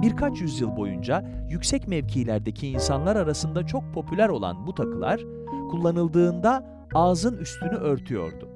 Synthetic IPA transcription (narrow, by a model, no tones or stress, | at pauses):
biɾkʰat͡ʃjyzjɯlˠbo̞̰jund͡ʒajycsɛcmɛvcʰiːlʲæɾd̪ecʰiːnsanlˠaɾaɾasɯnd̪at͡ʃʰo̞k̚pʰo̞pʰylʲæɾo̞lˠa̰nbut̪ʰakʰɯlˠa̰ɾ̥ | kʰulˠːanɯlˠd̪ɯːnd̪a | aːzɯnyst̪ʰynyʔø̞ɾt̪ʰyjo̞̰ɾd̪ʊ